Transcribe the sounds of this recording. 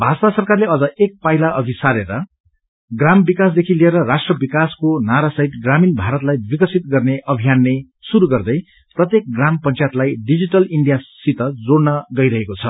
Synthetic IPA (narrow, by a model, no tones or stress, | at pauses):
bʱad͡ztasʌrkarleʌd͡zʌek̚pajlaʔʌɡisaɾeɾʌ | ɡrambikas̬d̪ekʰilieɾʌrasʈrʌbikaskonaɾasʌɦit̪ɡraminbʱaɾʌt̪lajbikʌsʰit̪ɡʌrneʔʌbʱijanːe | suɾuɡʌrd̪ʌj | prʌt̪jek̚ɡrampʌnt͡sajt̪lajɖid͡ziʈʌliɳɖijasit̪ʌd͡zoɽnʌɡʌjɾʌɦekot͡sʰʌ